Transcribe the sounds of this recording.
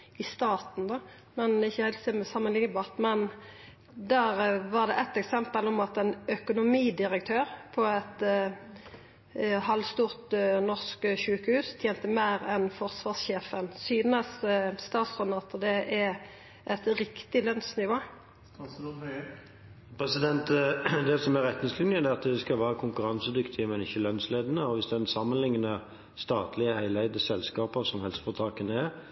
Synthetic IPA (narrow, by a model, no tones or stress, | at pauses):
ɪst̪ɑːt̪n̩d̪ɑ | mɛnɪçːəhæɪlt̪sɛmsɑmːənlɪŋːəbɑːʁt̪mɛn | d̪æːʁʋɑʁd̪ɛʔɛt̪ɛksɛmpəlɔmɑt̪ɛnœkʊnʊmiːd̪ɪʁəkt̪ʰøːʁpʰɔɛt̪ | hɑlʋst̪uːʁt̪nɔʁskʃʉːkəhʉːst̪ʰjeːnt̪əmæɪʁɛnfɔʁsʋɑːʁsçeːfənsyːd̪nəsst̪ɑːt̪sʁɛnɑt̪d̪ɛʔɛ | ʔɛt̪ɾɪkt̪ɪlœnsnɪʋoː | pʰɾʁɛsɪd̪ɛnt̪d̪ɛsɔmæɾɛt̪nɪŋslʏnjəd̪ɛɑt̪d̪ɛskɑlʋæːɾəkʰʊŋkʉɾɑnsəd̪ʏkt̪ʰɪəmɛnɪçːəlœnsleːd̪ənəɔʋɪsd̪ɛnsɑmːənlɪŋnə | st̪ɑːt̪lɪəhæɪlæɪd̪əsɛlskɑːpəʁsɔmhɛlsə̥fɔt̪ʰɑːkənəɛɾ